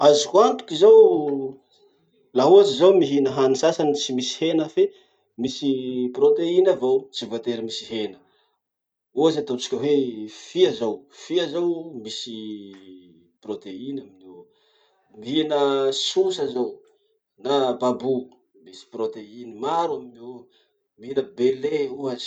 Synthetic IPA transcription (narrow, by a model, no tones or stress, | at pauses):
azikuant̪u̥kʲizow | laɦuat͡ʃizowmiɦinəɦanisasanit͡simisi̥henəfe | misipɾot̪einavot͡sivat̪eɾimisiɦenə̥ | uazat̪ot͡si̥kʲəwefiazowfiazowmisi | prot̪einamino | miɦinəsusazow | nababu | misi̥prot̪einimaɾuamino | miɦinəbeleuaz̥